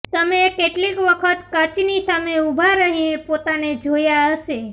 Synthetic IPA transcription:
t̪əmekeʈlikʋəkʰət̪kət͡ʃnisameubʱaɾəɦĩpot̪aned͡ʒojaəʃe

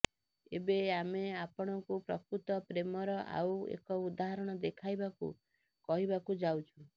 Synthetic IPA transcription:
ebeameapɔɽ̃ɔŋkupɾɔkɾut̪ɔpɾemɔɾɔʔa̰wḛkɔud̪aɦaɾɔɽ̃ɔd̪ekʰajbakṵ | kɔɦibakud͡ʒawt͡ʃʰu

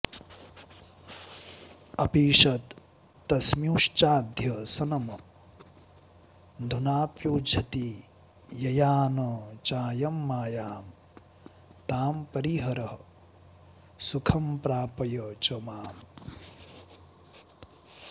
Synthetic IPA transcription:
ɐpiːʂɐt̪ː | ɐsmjuːʂt͡ʃaːd̪ʱjɐsɐnɐm | d̪ʱunaːpjuːd͡ʒʱɐt̪i | jɐjaːnɐt͡ʃaːjɐmːaːjaːm | t̪aːmpɐɾiɦɐɾɐɦɐ | sukʰɐmpɾaːpɐjɐt͡ʃɐmaːm

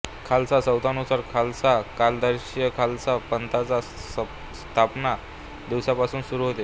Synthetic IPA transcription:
kʰalsasəwt̪anusaɾkʰalsakald̪əɾɕjəkʰalt͡sapənt̪ʰat͡sa | st̪ʰapna | d̪iwsjapasuːnsuɾuːɦot̪e

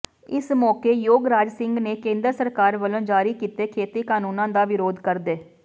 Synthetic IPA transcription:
ɪsmɔːkeːjoːɡɾaːd͡ʒsɪŋɡneːkẽːnd̪əɾsəɾkaːɾʋəlõːd͡ʒaːɾiːkiːt̪eːkʰeːt̪iːkaːnuːnãːd̪aːʋɪɾoːd̪kəɾd̪eː

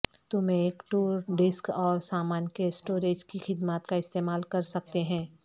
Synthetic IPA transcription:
t̪ʊmẽeːkʈuːɾɖɪskɔːɾsaːmaːnkesʈoːɾeːd͡ʒkixɪd̪maːt̪kaɪst̪eːmaːlkɐɾsɐk̚t̪eɦɛ̃ː

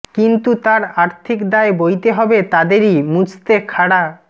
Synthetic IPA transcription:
kint̪ut̪aɾaɾt̪ʰikd̪aebojt̪eɦɔbet̪ad̪eɾimut͡ɕʰt̪ekʰaɽa

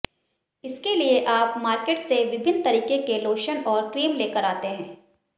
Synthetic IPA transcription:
ɪskelieʔaːpmaːɾkeːʈseʋɪbʱɪnt̪ɐɾiːkekeloːʃənɔːɾkɾiːmleːkəɾaːt̪eɦɛ̃ː

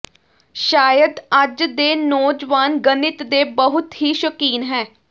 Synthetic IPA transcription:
ʃaːjəd̪əd͡ʒd̪eːnɔːd͡ʒʋaːnɡənɪt̪d̪eːbəɦʊt̪ɦiːʃəkiːnɦɛː

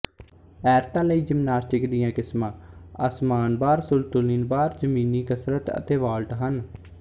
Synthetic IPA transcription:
ɛːɾt̪ãːləiːd͡ʒəmnaːsʈɪkd̪ɪjãːkɪsmãːəsmaːnbaːɾsʊlt̪ʊliːnbaːɾd͡ʒəmiːniːkəsɾət̪ə̰t̪eːʋaːlʈɦən

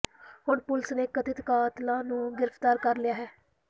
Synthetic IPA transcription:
ɦʊɳpʊlsneːkət̪ɪt̪kaːt̪lãːnũːɡɪɾəpʰt̪aːɾkəɾlɪjaːɦɛː

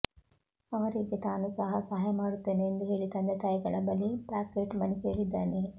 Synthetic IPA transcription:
ɐʋɐɾiɡet̪aːnusɐɦɐsɐɦaːjɐmaːɽut̪ːe̞ːneːnd̪uɦe̞ːɭit̪ɐnd̪et̪aːjɡɐɭɐbɐlipaːkeːʈmɐnikeːɭid̪ːaːne

